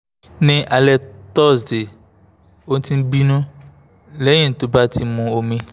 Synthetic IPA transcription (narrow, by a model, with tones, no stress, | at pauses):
nẽ˨ʔa˨lɛ˨t̪ɔ˦˨sde˨ | wo˦n̩˦t̪ĩ˦bi˦nũ˦ | le˦ɲẽ˨n˨t̪o˨ba˦t̪ʰi˨mũ˨o˨mẽ˨